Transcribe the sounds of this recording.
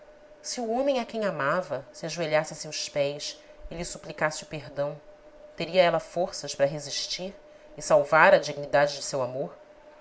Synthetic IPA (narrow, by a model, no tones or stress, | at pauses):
sɪuõmẽj̃akẽj̃amavɐsɪaʒueʎasɪsewspɛjs | ɪlɪsuplikasɪʊpeɦd̪ɐ̃w̃ | t̪eɾiɐɛlɐfoɾsɐʃpaɾɐɦeziʃt͡ʃiɾ | ɪsawvaɾɐd͡ʒiɡinid̪ad͡ʒɪd͡ʒɪsewamoɾ